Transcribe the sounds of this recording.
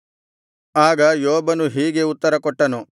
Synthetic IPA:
aːɡɐjoːbɐnuɦiːɡe̞ut̪ːɐɾɐkɔʈːɐnu

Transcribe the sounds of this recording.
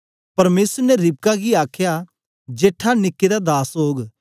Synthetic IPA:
pɐɾmeːsəɾnɛɾɪb̚kaɡiaːkʰja | d͡ʒeːʈʰːanɪkːed̪ad̪aːsɦoːɡ

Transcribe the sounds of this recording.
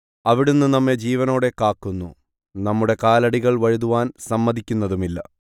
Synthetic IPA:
ɐʋiɽunːunɐmːe̞d͡ʑiːʋɐno̞ːɽekːaːkːunːu | nɐmːuɽe̞kaːlɐɽiɣɐɭʋɐɻuðuʋaːnsɐmːɐðʱikʲːunːɐðumilːɐ̰

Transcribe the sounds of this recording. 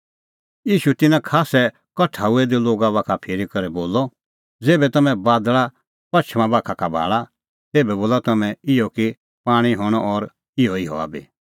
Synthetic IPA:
jiːʃut̪ɪnãkʰaːsɛ | kɐʈʰaːuɛd̪iloːɡaβaːkʰapʰeːɾikɐɾɛboːlɔ | d͡zeːbɛt̪ɐmɛ̃baːd̪ɭa | pɐt͡ʃʰmãbaːkʰakabʱa̰ːɭa | t̪eːbɛboːlat̪ɐmɛ̃ɪɔki | paːɽ̃iɦɔːɽ̃ɔʔɔɾ | ɪɦɔɪɦɔ̰a̰ːbḭ

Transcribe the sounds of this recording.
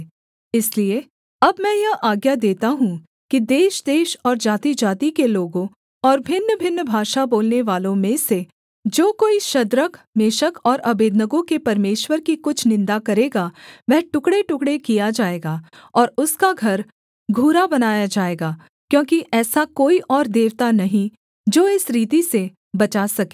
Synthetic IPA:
ɪslie | ɐbmɛ̃jɐɦʔaːɡjad̪eːt̪aɦũ | kid̪eːʃd̪eːʃɔːɾd͡ʒaːt̪id͡ʒaːt̪ikeloːɡõ | ɔːɾbʱɪnːəbʱɪnːbʱaːʃaboːlneʋaːlõmẽse | d͡ʒoːkoːiʃɐd̪ɾəkmeːʃəkɔːɾɐbeːd̪nəɡõkepɐɾmeːʃwəɾkikʊt͡ʃʰnɪ̃nd̪akɐɾeːɡaʋɛɦʈʊkɽeʈʊkɽekijad͡ʒaːeːɡaː | ɔːɾʊskaɡʱɐɾ | ɡʱuːɾabɐnaːjad͡ʒaːeːɡaː | kjõːkiʔɛːsakoːiʔɔːɾd̪eːʋt̪anɐɦĩ | d͡ʒoːɪsɾiːt̪ise | bɐt͡ʃasɐke̥ː

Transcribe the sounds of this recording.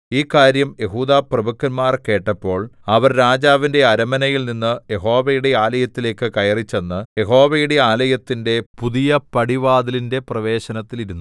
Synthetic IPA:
iːkaːɾjɐmje̞ɦuːðaːprɐbukːɐnmaːrke̞ːʈːɐpːo̞ːɭɐʋɐrɾaːd͡ʑaːʋinde̞ɐɾɐmɐnɐjilninːɨje̞ɦo̞ːʋɐjuɽe̞aːlɐjɐt̪ːile̞ːkːɨkɐjɐrit͡ɕːe̞nːɨje̞ɦo̞ːʋɐjuɽe̞aːlɐjɐt̪ːinde̞puðijɐpɐɽiʋaːd̪ilinde̞prɐʋe̞ːɕɐnɐt̪ːiliɾunːu

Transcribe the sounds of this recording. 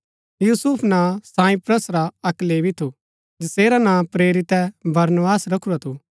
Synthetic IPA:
juːsʊpʰnãːsãːĩpɾəsɾaɐklebʱit̪ʰu | d͡ʒɪseːɾanãːpɾeːɾit̪ɛbɐɾnʋaːsɾɐkʰuɾat̪ʰo

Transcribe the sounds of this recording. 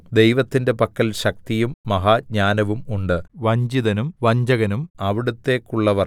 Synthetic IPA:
d̪e̞jʋɐt̪ːinde̞pɐkːɐlɕɐk̚t̪ijumːɐɦaːɲaːnɐʋumuɳɖɨʋɐɲd͡ʑiðɐnumʋɐɲd͡ʑɐɣɐnumɐʋiɽut̪ːe̞ːkːuɭːɐʋɐr

